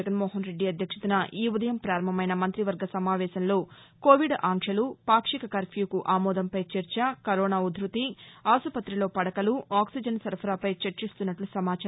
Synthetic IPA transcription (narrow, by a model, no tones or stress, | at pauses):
ɡɐnmɔːɦɐnɾe̞ɖːiɐd̪ʱjɐkʂɐt̪unɐʔiːud̪ɐjɐmpɾaːɾɐmɐmɐjnɐmɐnt̪ɾiʋɐɾɡɐsɐmaːʋɛːsɐnlo̞ːko̞ːʋiɖaːŋʂɐlupaːkʂikɐkɐɾpʰjuːkuʔaːmɔːd̪ɐmpɐjt͡ʃeɾt͡ʃɐkɐɾɔːnaːud̪ʱɾut̪iaːsupɐt̪ːɾilo̞ːpɐɽɐkɐluaːksid͡ʒɐnsɐɾpʰɾaːpɐjt͡ʃɐɾt͡ʃist̪unːɐʈlusɐmaːt͡ʃa